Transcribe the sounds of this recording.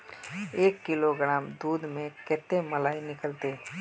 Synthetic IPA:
eːkːɪloɡɾaːmd̪uːd̪mẽkɛːt̪eməlaːinɪkəlt̪eː

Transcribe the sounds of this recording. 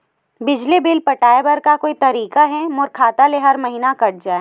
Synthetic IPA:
bɪd͡ʒlibɪlpɐʈaːebɐɾkakoːit̪ɐɾiːkaɦɛmʊɾkʰaːt̪aleɦɐɾmɐɦiːnakɐʈ̚d͡ʒaːe

